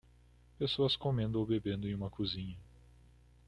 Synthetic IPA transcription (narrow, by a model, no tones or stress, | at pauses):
pesoɐskomẽnd̪ʊowbebẽnd̪ʊẽũmɐkuzĩɲɐ